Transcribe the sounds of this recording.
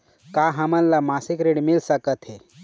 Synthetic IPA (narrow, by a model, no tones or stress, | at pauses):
kaɦamə̃nːamasikɾeɽmilsəkət̪ɦe